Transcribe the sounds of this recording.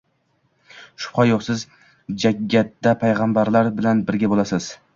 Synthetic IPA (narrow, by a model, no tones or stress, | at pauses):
ʃʊ̥pχɑjoχsɪz | d͡ʒaɡʲːat̪ːapʰajʁɑmbaɾlaɾbɪlanbɪɾɡʲabolasɪz̥